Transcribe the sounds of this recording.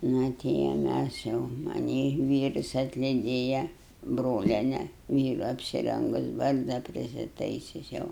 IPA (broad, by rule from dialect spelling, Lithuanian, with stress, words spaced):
ˈnɐ ˈtʲɪ jɛʊ ˈmʲæs jɛʊ mɐˈnʲiː ˈʋʲiːrʊs ɐtʲlʲɪˈdʲeːjɛ ˈbroːlʲiɛnʲɛ ˈʋʲiːrʊ ɐpʲsʲɪˈrʲɛŋɡʊs ˈbɐrzdɐ pʲrʲɪsʲɪˈtɐɪsʲʊs ˈjɛʊ